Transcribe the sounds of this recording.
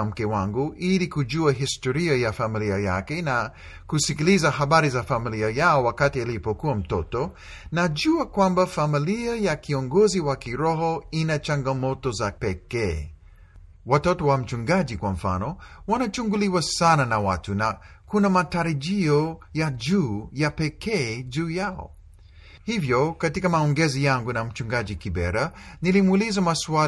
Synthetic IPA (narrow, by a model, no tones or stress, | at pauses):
am̩kɛwaŋɡuʔilikuʄuaɦistɔɾiajafamiliaja̰kɛna | kusikilizaɦaɓaɾizafamiliajaɔwakatialipɔkuam̩tɔtɔ | naʄuakwambafamiliajakiɔŋɡɔziwakiɾɔɦɔinat͡ʃaŋɡamɔtɔzapɛkɛː | watɔtɔwam̩t͡ʃuŋɡad͡ʒikwaɱ̩fa̰nɔwanat͡ʃuŋɡuliwasananawa̰tuna | kunamataɾaʄiɔjaʄuːjapɛkɛːd͡ʒuːjaɔ̰ | hivjɔkatikamaɔŋɡɛzijaŋɡunam̩t͡ʃuŋɡaʄikibɛ̰ɾanilimuːlizamaswa